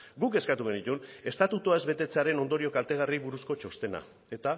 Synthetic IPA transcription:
ɡuke̞skat̪uɣe̞nit̪une̞st̪at̪ut̪uae̞zβe̞t̪e̞t͡se̞aɾe̞no̞nd̪o̞ɾio̞kalt̪e̞ɣ̞arijβuɾusko̞t͡ʃo̞st̪e̞na̰ | e̞t̪a

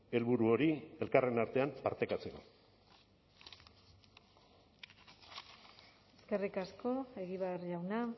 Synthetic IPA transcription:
e̞lβuɾuo̞ɾie̞lkare̞naɾt̪e̞ampaɾt̪ekat͡se̞ko̞ | eske̞rikasko̞e̞ɣiβeɾʝawna

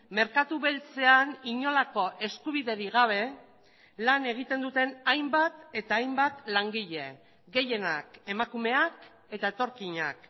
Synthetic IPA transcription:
me̞ɾkat̪uβe̞lt͡se̞aniɲo̞lako̞ʔe̞skuβ̞iðe̞ɾiɣaβ̞e̞ | lane̞ɣ̞it̪e̞nd̪ut̪e̞najmbat̪e̞t̪aːjmbat̪laŋɡiʎe̞ | ɡe̞je̞nake̞makume̞ak | e̞t̪aet̪o̞ɾkiɲa̰k

